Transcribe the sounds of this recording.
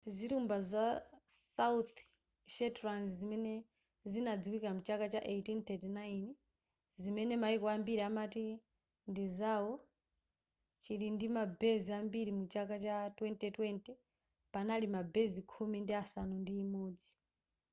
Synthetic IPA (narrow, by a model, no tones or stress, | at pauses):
zitumbazasaut̪ | ʃɛtɾanzzimɛnɛ | zinad͡ziwikamut͡ʃakat͡ʃaʔetint̪ɛtinain | zimɛnɛmaikɔambiɾamati | ndizawɔ | t͡ʃiɾindimabɛziambiɾimut͡ʃakat͡ʃatwɛntɛtwɛntɛ | panalimabɛzikʰumindiasanundiːmɔːd͡zi̥